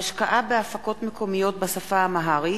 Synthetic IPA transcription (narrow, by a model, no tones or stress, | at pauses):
aʃkaʔabeafako̞tmeko̞mijo̞t̚basafaamaɦaʁi